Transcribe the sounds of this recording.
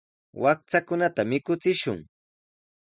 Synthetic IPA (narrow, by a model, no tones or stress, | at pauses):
wak̚t͡sakʊnat̪amɪkʊt͡sɪʃʊ̰ŋ